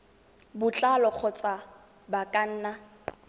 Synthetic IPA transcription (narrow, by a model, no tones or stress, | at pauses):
bʊt͡ɬʼalɔk͡xʰɔt͡sʼa | bakʼan̩ːna